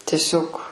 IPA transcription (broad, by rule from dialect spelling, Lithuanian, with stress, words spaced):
tʲɛˈsʲoːk